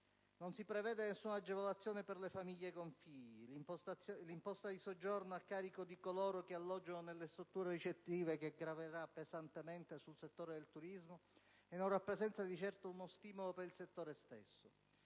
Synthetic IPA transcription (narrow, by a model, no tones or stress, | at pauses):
nonsipɾevɛːd̪enesːunad͡ʒːevolat̪sːjɔːneperlefamiʎːekoɱfiʎːi | limpɔst̪ad̪isod͡ʒːornoakːaːɾikod̪ikoloːɾokealːɔd͡ʒːononelːest̪ɾut̪ːuːɾerit͡ʃet̪ːiːvekeɡɾaveɾapːezant̪ement̪esulset̪ːoːɾed̪elt̪uɾizmo | enːoɾapːɾesɛnt̪sad̪it͡ʃɛrt̪ounost̪iːmolopeɾilset̪ːoːɾest̪ḛsːo